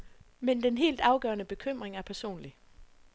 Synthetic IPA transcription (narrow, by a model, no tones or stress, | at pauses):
mend̥enɦe̝̰ːld̥ɑ̈ʊɡ̥ɶɐnəb̥e̝kʰøm̰ʁeŋæɐpʰæɐso̝̰ːnli